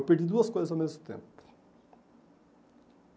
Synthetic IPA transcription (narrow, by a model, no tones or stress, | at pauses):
peɾd̪id̪uɐskojzɐzawmezmʊt̪ḛ̃mpʊ̥